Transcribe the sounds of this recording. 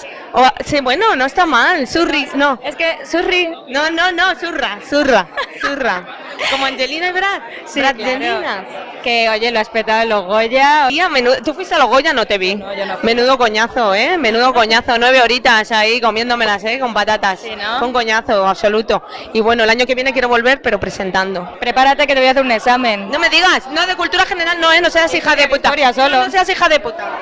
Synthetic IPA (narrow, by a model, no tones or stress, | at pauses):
osiβwe̞no̞no̞est̪amalsurino̞eskesurinono̞no̞surasurasura | ko̞moãnʝelinaiβɾaθ | ɾaʝelɾina | ke̞oʝe̞loaespet̪aweloɣoʝaamẽnuðot̪ufwist̪ealo̞ɣo̞ʝano̞t̪e̞βimẽ̞nuðo̞ko̞ɲaθo̞e̞mẽ̞nuðo̞ko̞ɲaθo̞nwe̞β̞e̞o̞ɾit̪asaiko̞mje̞nd̪o̞me̞lase̞ko̞mpat̪at̪asokoŋko̞ɲaθo̞aβso̞lut̪o̞iβwe̞no̞elaɲo̞ke̞βje̞ne̞k̬jeɾo̞βo̞lβe̞ɾpe̞ɾopɾe̞se̞nt̪and̪o̞pɾe̞paɾat̪ekeeojaθeɾuneksamẽnno̞me̞ðiɣasnoðe̞kult̪uɾaxe̞ne̞ɾalnõ̞eno̞s̬easixaðeput̪aɾjasolonos̬eas̬ixaðe̞put̪a